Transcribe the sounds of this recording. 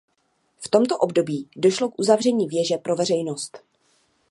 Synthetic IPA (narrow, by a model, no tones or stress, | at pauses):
ft̪o̞mt̪o̞ʔobdo̞biːdo̞ʃlo̞kʔuzavr̝ɛɲiːvjɛʒɛpɾo̞vɛr̝ɛjnost̪